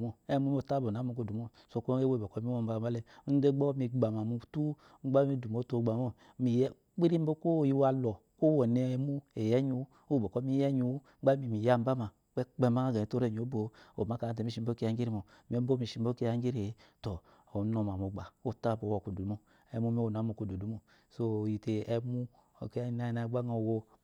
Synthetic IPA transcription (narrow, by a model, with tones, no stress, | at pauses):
mo˦e˦mu˦o˨ta˦bo˨n˨a˨˦mo˨ko˨du˨mo˦ | so˧˦ko˦e˦wo˦˨bo˨ko˦mi˦wo˦m̩˦ba˨ma˨˦le˦de˦ɡ͡bo˦mi˧ɡ͡ba˨ma˨mu˧˦tu˦ | ŋ͡m̩˦ɡ͡ba˦mi˦du˨mo˨˦to˧˨ɡ͡ba˨mo˦ | mi˨j | k͡pi˦ɾi˦m˦bo˦ko˦˨ji˦wa˨lɔ˨ | ko˦wo˨ne˨˦mu˦e˨jɛ˦ɲu˧˦ | o˦˨bo˨ko˦mi˦jɛ˦ɲu˧˦a˦mi˨mi˨ja˦m˦ba˦ma˨ | k͡pɛ˦k͡pɛ˦ma˦a˦ɡa˨to˦ɾe˦˨ɲ˨o˨˦bo˨o˨ma˨˦ka˨te˨mi˦ʃi˨˦bo˦ke˦a˦ŋɡi˦ɾi˦mo˨ | m˦e˦m˦o˦mi˨ʃi˨˦m˦bo˦ke˦a˦ŋ˦ɡi˦ɾe˨˦to˨ | o˨˦no˨m˨a˨mo˨ɡ͡ba˨o˦˨ta˦˨bo˨wo˨ku˨du˨u˨˦mo˦ | ɛ˨mu˦mi˦wo˨n˨a˨˦mo˨ko˨˦˨du˨du˨˦mo˨ | so˦˨ji˨te˨ɛ˦mu˦˨ | ke˦na˦˨na˨˦ɡ͡ba˦ŋa˨wo˦